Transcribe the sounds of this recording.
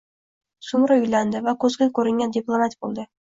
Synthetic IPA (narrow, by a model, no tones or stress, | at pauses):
sʊmɾaʊjland̪ɪvakʰɵzɡʲakʲʰɵɾɪŋɡʲand̪iplˠomat̪bolˠd̪ɪ